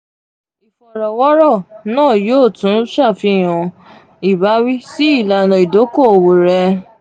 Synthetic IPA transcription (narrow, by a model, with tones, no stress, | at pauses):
i˨fɔ˨ɾɔ˨wɔ˦ɾɔ˦˨nãː˦˨joː˦˨tũ˨˦ʃa˦˨fi˧˦˨j̃ɔ̃˨˧ | i˨ba˨˦wi˦si˦i˦˨la˨nɔ̃˨i˨do˨˦ko˦˨o˨wo˨ɾɛ˧